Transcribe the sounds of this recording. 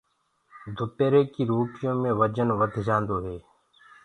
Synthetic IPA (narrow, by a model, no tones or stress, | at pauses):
d̪ʱʊpeːɾeːkiːɾoːʈɪjõːmẽːʋəd͡ʒənʋəd̪ʱd͡ʒãːnd̪oːɦeː